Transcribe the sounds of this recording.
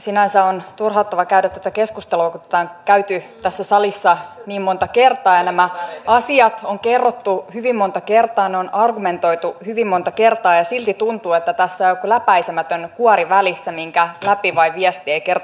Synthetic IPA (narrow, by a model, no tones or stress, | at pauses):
sinænsæont̪urhɑt̪ːɑʋɑkæyɾæt̪t̪ːæt̪ækeskust̪eluɑkut̪æ̥t̪æːŋkæyt̪yt̪æsːæsɑlisːɑniːmmont̪ɑkert̪ɑːjɑnæmæɑsiɑt̪oŋkerːot̪ːuhyʋimːont̪ɑkert̪ɑːneonɑrɡume̞nt̪o̞it̪uhyʋimmo̞nt̪ɑke̞rt̪ɑːjɑsilt̪it̪unt̪uːet̪ːæt̪æsːæjokulæpæisemæt̪ønkuɑɾiʋælisːæmiŋkælæpiʋɑiʋiɛst̪ieiker